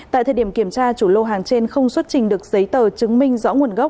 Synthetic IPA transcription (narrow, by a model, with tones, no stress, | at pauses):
a̰ː˧˨t̪ʰəː˨˩ɗi˧˩əmki˧˩əmt͡ɕaː˧t͡ɕu˧˩lo˧ɦaː˨˩ŋt͡ɕe˧nxə˧wŋ͡mswə˦˥t̚t͡ɕï˨˩ŋ̟ɗɨ˨˩ək̚zə˨˦jt̪əː˨˩t͡ɕɨ˨˦ŋmï˧ŋ̟zɔ̰˧˥ŋu˨˩ənɣə˦˥k͡p̚